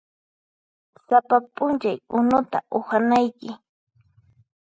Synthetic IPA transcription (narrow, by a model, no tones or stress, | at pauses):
sapapʼʊnt͡ʃajʊnʊt̪a̰ʔʊhanajkɪ